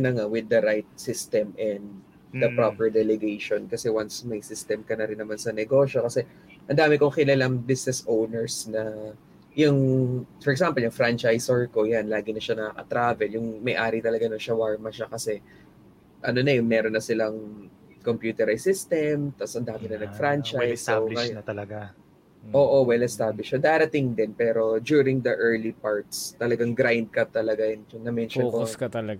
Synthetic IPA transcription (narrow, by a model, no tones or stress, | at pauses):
nɐŋawɪd̪ːɐɾajt̪̚sɪst̪ɛmʔɛnd̪ | d̪ɐpɾopɛɹd̪ɛlɛɡejʃonkɐsɛwansmɐjsɪst̪ɛmkɐnɐɾɪnːɐmansɐnɛɡo̞ːʃo̞kɐsɛ | ʔɐnd̪aːmɪkoŋkɪlɐlaŋbɪsnɛsʔownɛɹsnɐ | jʊŋfɔɾɛksampɐljʊŋfɾant͡ʃajsɛɹko̞janlaːɡɪnɐʃanɐkɐkɐ̰t̪ɾaːvɛljʊŋmɐjʔaːɾɪt̪ɐlɐɡanoʃɐwaɹmɐʃakɐsɛ | ʔɐno̞nɐjʊŋmɛːɾonːɐsɪlɐŋ | kompjuːt̪ɛɾajsɪst̪ɛmt̪ɐsʔɐnd̪aːmɪnɐnɐɡ̚fɾant͡ʃajsalɐjnɐt̪ɐlɐɡa | ʔoːʔo̞wɛlɐɛst̪aːblɪʃɐd̪aːɾɐt̪ɪŋd̪ɛnpɛːɾo̞d͡ʒuːɾɪŋd̪ɐʔɛɹlipaɹt̪̚st̪ɐlɐɡaŋɡɾajnd̪̚kɐt̪ɐlɐɡaɛnjʊŋnɐmɛnʃonkokɐt̪ɐlɐɡ